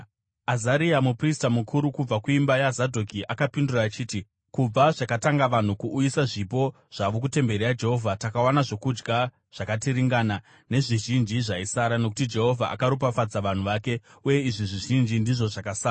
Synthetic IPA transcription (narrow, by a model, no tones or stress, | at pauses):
azaɾiamupristamukʰuɾukub͡vakuimbajazadʱokiʔakapinduraːt͡ʃiːti | kub͡vaʐakataŋɡaʋan̤ukuʔːjisaʐip̬o̞ | ʐ̥aʋok̬ute̞mbe̞ɾiad͡ʒe̞ɦo̞vʱatakawanaʐo̞kud͡ʒɡa | ʐ̥akatiɾiŋɡana | ne̞ʐiʒind͡ʒiʐaisaɾano̞k̬u̥tid͡ʒe̞ɦo̞vʱaʔa̰kaɾup̬afad͡zaʋan̤uʋaːke̞ | uje̞iʐiʐiʒind͡ʒindiʐo̞ʐakasaːra